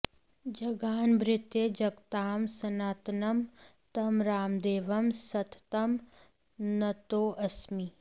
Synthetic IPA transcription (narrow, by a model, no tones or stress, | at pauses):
d͡ʒɐɡaːnbɾɪt̪jed͡ʒɐɡt̪aːmsɐnaːt̪nɐm | t̪ɐmɾaːmd̪eːʋɐmsɐt̪ʰt̪ɐm | nɐt̪oːʔɐsmiː